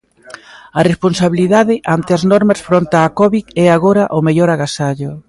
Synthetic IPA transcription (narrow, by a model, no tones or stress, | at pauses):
ɐresponsaβiliðaðɪʔant̪ɪɐznɔɾmɐsfɾont̪aːkɔβikɛaɣoɾɐʔʊmeʎɔɾaɣasaʎʊ